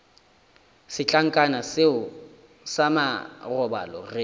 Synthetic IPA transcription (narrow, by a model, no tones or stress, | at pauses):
sɪt͡ɬʼaŋ̩kʼanasɪʊ | samarɔba̰lɔ̰re